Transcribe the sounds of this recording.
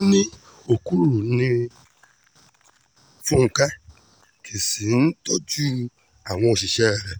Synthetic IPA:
nĩ˦ | o˨ku˦ɾu˨nĩ˧ | fu˦ŋ̩˨ka˦ | kʰi˨si˨n̩˦tɔ˦d͡ʒu˦ | a˨w̃ɔ̃˧o˨ʃi˨ʃɛ˦˨ɾɛ˨

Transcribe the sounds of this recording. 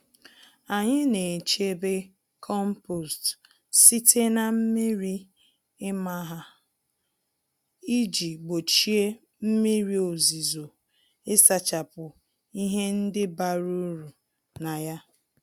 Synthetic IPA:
a˨ɲɪ˦ne˨t͡ʃe˦be˦ | kʰɔ˦m̩˦po˨st | si˦tʰe˦na˨m̩˦mi˦ɾi˦ | ɪ˦ma˦ɦa˨ | i˦d͡ʒi˨ɡ͡bo˨t͡ʃi˦e˦ | m̩˦mi˦ɾi˨o˨zi˨zo˨ | ɪ˦sa˨t͡ʃa˨pʊ˨ | i˦ɦe˦n̩˦dɪ˦ba˨ɾu˦ɾu˨ | na˨ja˦

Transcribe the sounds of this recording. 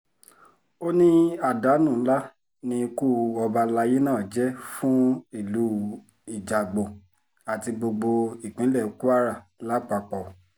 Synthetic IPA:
o˦nĩ˦a˦˨da˨˦nũ˦˨˦la˦ | nĩ˧ku˦˨ɔ˧ba˧la˧je˦nãː˦˨d͡ʒɛ˦fũ˦i˦˨lu˨˦ | i˨d͡ʒa˨ɡ͡bõ˨ | a˨ti˧ɡ͡bo˧ɡ͡bo˧i˨k͡pĩ˨˦lɛ˦˨o˧˦ku˦a˦ɾa˦˨la˦k͡pa˧k͡pɔ˨

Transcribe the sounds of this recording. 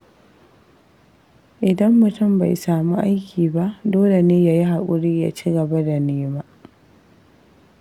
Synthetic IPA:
ʔɪ˨dɐ˦mːʊ˨tʊ˦˨mba˨jsaː˨mu˦ʔa˦jkʲʰiː˨ba˦ʔdoː˦le˨neː˦ja˦ji˦ɦa˨kʷʼʊ˨ɾiː˦ja̰˨t͡ʃi˦ɡɐ˨ba˦da˨neː˦ma˦

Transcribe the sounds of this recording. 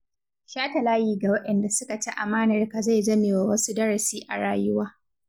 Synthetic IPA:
ʃaː˦tɐ˨laː˦jiː˨ɡa˨wɐ˦ɗɛ˨nda˨sʊ˦ka˨ta˦ʔa˨maː˦nɐ˨rka˨za˦˨jd͡ʒɐ˦meː˨wa˨wɐ˦su˦dɐ˦ɽɐ˨siː˦ʔa̰˨ɽaː˦jʊ˦waː˦

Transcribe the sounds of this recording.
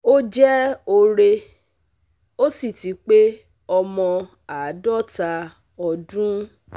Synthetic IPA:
o˦d͡ʒɛ˦o˧ɾe˧ | o˦si˦˨ti˨˦k͡pe˦ | ɔ˧mɔ̃˧ | a˨˦dɔ˦ta˧ | ɔ˧dũ˦

